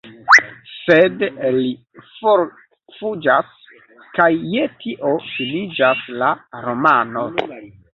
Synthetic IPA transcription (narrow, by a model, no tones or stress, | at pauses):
sedeli | foɾ | fud͡ʒas | kajːetʰiʔo̞finid͡ʒaslaɾo̞mano̞